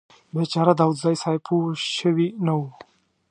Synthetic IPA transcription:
bet͡ʃaɾad̪awud̪zajsajpʰuʃəwinawu

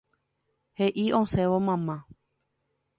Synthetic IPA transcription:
heʔiʔõsẽʋomãmã

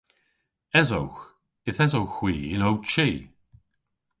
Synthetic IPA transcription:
ɛzo̰wx | ɪθɛzowxw̥iːɪnowt͡ʃiː

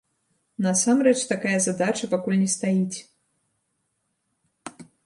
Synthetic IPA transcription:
nɐsamɾɛt͡ʂt̪akajɐzad̪at͡ʂɐpakulʲnʲɛst̪ajit͡sʲ

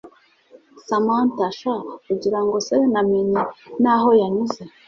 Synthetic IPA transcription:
samantaʃakuɟiɾaŋɡo̞senamiɲenaɦo̞jaɲuze̞

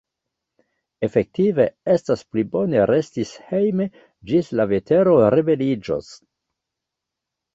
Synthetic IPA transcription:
e̞fe̞k̚tive̞e̞stasplibo̞ne̞ɾe̞stishejme | d͡ʒislave̞te̞ɾo̞ɾebe̞lid͡ʒo̰s

